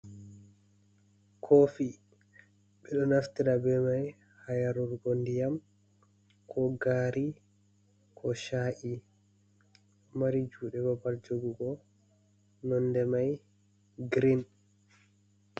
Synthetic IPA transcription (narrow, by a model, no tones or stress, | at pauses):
kʰofi | ɓɛɗɔnaft̪iɾabɛmaj | hajaɾuɾɡondijam | kʰɔɡaːɾi | kʰɔʃaːʔi | maɾid͡ʒuːɗɛbabald͡ʒoɡuɡɔ | nɔndɛmaj | ɡɾin